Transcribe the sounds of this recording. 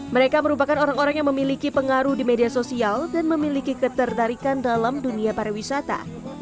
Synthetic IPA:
məɾekaməɾupakanoɾaŋoɾaŋjaŋməmilikipəŋaɾuhdimediasosialdanməmilikikət̪ərt̪aɾikandalamduniapaɾawisat̪a̰

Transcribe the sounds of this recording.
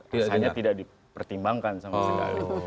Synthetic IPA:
aaɲat̪idak̚di | pərt̪imbaŋkansamasəɡa̰la

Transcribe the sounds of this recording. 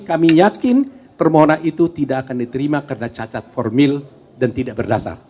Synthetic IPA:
kamijakɪnpərmoɦonanit̪ut̪idaʔakandit̪əɾimakəɾənat͡ʃat͡ʃat̪̚fɔrmɪl | dant̪idaʔbərdasa̰r

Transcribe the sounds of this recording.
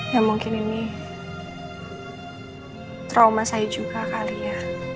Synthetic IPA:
jamuŋkɪnini | t̪ɾawmasajid͡ʒuɡ̥akalija

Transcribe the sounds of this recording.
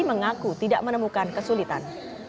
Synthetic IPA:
iməŋakut̪idaʔmənəmukankəsulit̪an

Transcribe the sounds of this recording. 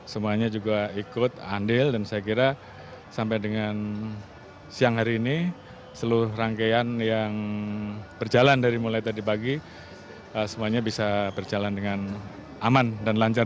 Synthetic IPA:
səmuaɲad͡ʒuɡaikʊt̪a̰ndɪldansajakiɾa | sampajdəŋan | siaŋɦaɾiːni | səluɾʊhraŋkaanjaŋ | bərd͡ʒalandaɾimulajt̪adipaɡi | əsəmuaɲabisabərd͡ʒalandəŋan | amandanlaɲt͡ʃar

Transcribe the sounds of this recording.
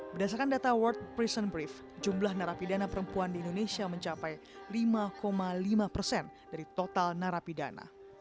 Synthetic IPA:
bərdas̬aɾkandat̪awərt̪̚pɾisənbɾif | d͡ʒumlahnaɾapidanapəɾəmpuandiːndonesiaməɲt͡ʃapaj | limakomalimapərsɛndaɾit̪ot̪alnaɾapida̰na̰

